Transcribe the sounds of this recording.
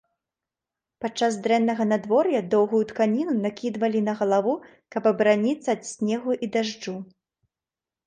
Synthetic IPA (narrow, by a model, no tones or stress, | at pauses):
pat͡ʂːazd̪ɾɛnːɐɣɐnad̪vɔrjɐd̪ɔwɣujut̪kanʲinunakʲid̪vɐlʲinɐɣɐlˠavu | kɐpɐbɾanʲit̪sːɐːt̪sʲnʲɛɣuʔid̪aʐd͡ʐu